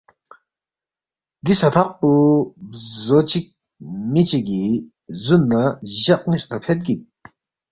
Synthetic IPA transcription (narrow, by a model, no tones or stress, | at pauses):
d̪isat̪ʰaχ̚pu | zot͡ɕik̚ | mit͡ɕiɡi | zunːəʑaʔ̚ŋist̪apʰet̪̚ɡi